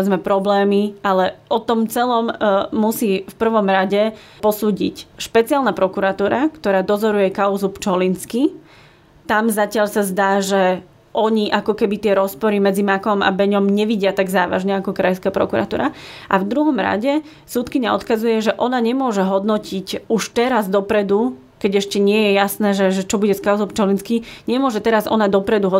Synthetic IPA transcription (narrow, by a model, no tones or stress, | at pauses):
ɛd͡zmɛpɾɔblɛːmiʔalɛɔt̪ɔmt͡sɛlɔmːusiːfpr̩ʋɔmɾaɟɛ | pɔsuːɟḭcʃpɛt͡sialnapɾɔkuɾat̪uːɾakt̪ɔɾaːd̪ɔzɔɾujɛkaʊzupt͡ʃɔlinski | t̪amzacɪaʎsazd̪aːʒɛ | ʔɔɲiʔakɔkɛbit̪ɪɛɾɔspɔɾimɛd͡zimakɔma̰bɛɲɔmɲɛʋiɟɪat̪aɡzaːʋa̰ʒɲɛakɔkɾajskapɾɔ̰kuɾa̰t̪ṵːɾaʔa̰vd̪ɾuɦɔmɾa̰ɟɛ | suːt̪kiɲaɔt̪kazujɛʒɛʔɔnaɲɛmʊɔʒɛɦɔd̪nɔcicuʃt̪ɛɾazd̪ɔpɾɛd̪u | kɛɟɛʃcɛɲɪɛjɛjasnɛːʒɛʒɛt͡ʃɔbuɟɛskaʊzɔpt͡ʃɔlinskiɲɛmʊɔʒɛt̪ɛɾazɔ̰nad̪ɔpɾɛd̪uɦɔ